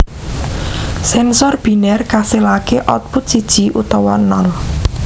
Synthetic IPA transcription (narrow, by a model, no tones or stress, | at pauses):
sɛnsɔrb̥i̤nɛrkaselakeʔɔt̪̚put̪̚sid̥ʒ̥i̤ʔut̪ɔwɔnɔl